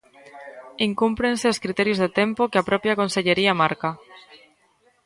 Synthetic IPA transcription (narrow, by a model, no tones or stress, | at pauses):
iŋkumpɾẽnseoskɾit̪eɾjozðet̪empokeapɾopjakõnseʎeɾiamaɾka